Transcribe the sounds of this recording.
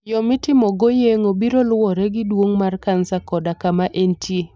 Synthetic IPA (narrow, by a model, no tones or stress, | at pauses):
jɔmɪtɪmɔɡojeŋobiɾolwɔɾɛɡɪdwoŋmarkansakɔdakamaʔentie